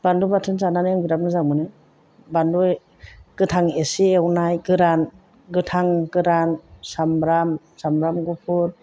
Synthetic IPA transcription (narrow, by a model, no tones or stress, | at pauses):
b̥andubatʰɯnzananɯjaŋbiɾap̚nɯzaŋmɯnɯ | bandu | ɡ̥ɯtʰaŋesiewnajɡɯɾan | ɡɯtʰaŋɡɯɾansamɾam | samɾamɡɔpʰɯɾ